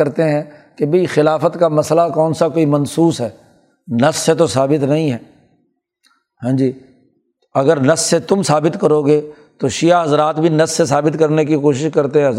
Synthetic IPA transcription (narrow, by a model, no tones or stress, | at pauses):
ɐɾt̪eɦɛ̃ːkebʱɐixɪlaːfət̪kamɐslakɔːnsakoːimɐnsuːsɦɛː | nɐfset̪̬osaːbɪt̪nɐɦĩɦɛː | ɦãːd͡ʒiː | ɐɡəɾnɐfset̪ʊmsaːbɪt̪kɐɾoːɡe | t̪oʃijaɦɐzɾaːt̪bʱinɐssesaːbɪt̪kɐɾnekikoːʃɪʃkɐɾt̪eɦɛ̃